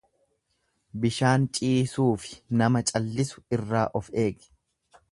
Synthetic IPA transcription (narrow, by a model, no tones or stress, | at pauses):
bɪʃaːnt͡ʃʼiːsuːfɪ̥nɐmɐt͡ʃʼɐlːɪsʊ̥ɪrːaːʔɔfe̞ːɡ